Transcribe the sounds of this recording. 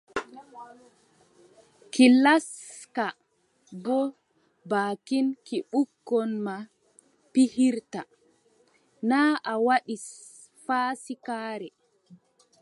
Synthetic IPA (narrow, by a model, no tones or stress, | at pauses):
kilas | ka | bɔ | baːkinkiɓukːɔnma | pihiɾta | naːʔawaɗis | faːsikaːɾɛ